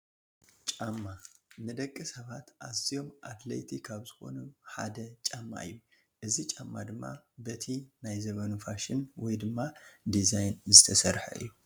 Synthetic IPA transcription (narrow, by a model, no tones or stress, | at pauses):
t͡ʃʼamːanɨd̪ɐkʼːɨsɐβat̪ʔazijo̞mʔat̪lɐ̰jt̪ʰikʰaβzɨxo̞̰nuħa̰d̪ɐt͡ʃʼamːa̰ɨ̰jːu | ʔɨzit͡ʃʼamːad̪ɨmːa̰bɐt̪ʰinajzɐβɐnufaʃɪnwɔjd̪ɨmːad̪izajnzɨt̪ʰɐsɐɾħɐ̰ʔɨ̰jːu